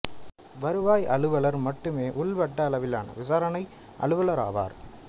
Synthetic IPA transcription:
ʋɐɾɯʋaːjɐɭɯʋɐɭɐɾmɐʈːɯmeːʔʊɭʋɐʈːɐːlɐʋɪlaːnɐ̰ʋɪsaːɾɐnɐɪ | ʔɐ̰ɭɯʋɐlɐɾa̰ːʋa̰ːɾ

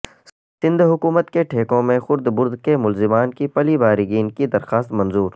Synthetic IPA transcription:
sɪ̃nd̪ʱɦʊkuːmət̪keʈʰeːkõmẽxʊɾd̪bʊɾd̪kemʊlzɪmaːnkipɐlibaːɾiɡiːnkid̪ɐɾxaːst̪mɐ̃nzuːɾ

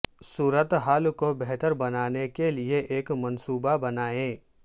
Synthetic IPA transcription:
suːɾət̪ɦaːlkobɛɦt̪əɾbɐnaːnekelieʔeːkmɐ̃nsuːbabɐnaːẽː

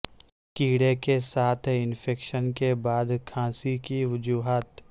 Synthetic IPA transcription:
kiːɽekesaːt̪ʰɪnfʰeːkʃənkebaːd̪kʰãːsikiʋʊd͡ʒuːɦaːt̪

